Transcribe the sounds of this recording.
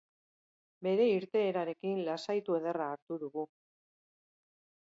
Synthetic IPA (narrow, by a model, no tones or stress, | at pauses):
be̞ɾe̞iɾt̪e̞ːɾaɾe̞kinlasajt̪ue̞ðe̞raːɾt̪uðuɣu